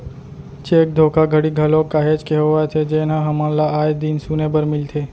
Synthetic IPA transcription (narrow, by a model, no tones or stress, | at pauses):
t͡ʃeːk̚d̪ʱoːkaɡʱəɽiɡʱɐlõkaːɦeːd͡ʒkeɦoat̪ʰed͡ʒeːnãɦɐmãlaaːjd̪insunebəɾmɪlt̪ʰeː